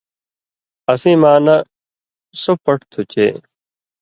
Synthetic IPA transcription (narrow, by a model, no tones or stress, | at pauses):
ɐsĩːmãːnɐ | sopəʈt̪ʰut͡ɕḛː